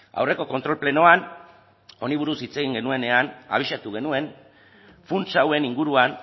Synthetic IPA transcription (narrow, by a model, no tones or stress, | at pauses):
a̰wre̞ko̞ko̞nt̪ɾo̞lple̞no̞an | o̞niβ̞uɾusit͡se̞ɣiŋɡe̞nue̞ne̞ana̰β̞iʃat̪uɣe̞nue̞n | funt͡sawe̞niŋɡuɾuan